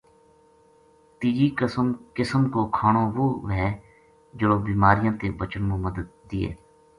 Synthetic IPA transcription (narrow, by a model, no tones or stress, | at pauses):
t̪iːd͡ʒiːkmkɪsəmkoːkʰaːɳoːʋoːʋɦɛː | d͡ʒəɽõːbiːmaːɾɪjãːt̪eːbət͡ʃənmũːməd̪əd̪̚ːiːḛː